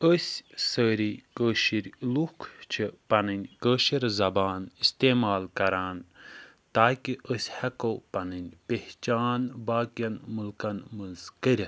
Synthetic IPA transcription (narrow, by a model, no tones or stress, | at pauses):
əsʲsəːɾikəːʃiɾlukʰt͡ʃʰipɐnɨnʲkəːʃiɾzɐbaːnist̪eːmaːlkɐɾaːn | t̪aːkiʔəsʲhɐkopɐnɨnʲpeht͡ʃaːnbaːkijɐnmulkɐnmɐzkəɾʲ